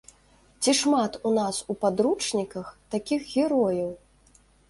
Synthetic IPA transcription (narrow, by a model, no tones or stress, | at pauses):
t͡sʲiʂmat̪unasupad̪ɾut͡ʂnʲikɐxt̪akʲixɣʲɛɾɔjɐw